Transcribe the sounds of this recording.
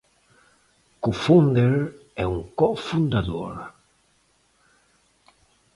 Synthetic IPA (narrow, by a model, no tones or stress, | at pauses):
kufund̪eɾɛuŋkɔfund̪aðoɾ